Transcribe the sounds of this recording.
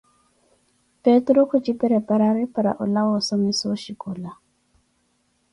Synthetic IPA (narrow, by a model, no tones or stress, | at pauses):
petɾɔkʰut͡ʃipɛɾɛpaɾaɾipaɾa̰ʔulawosɔmisoʃikula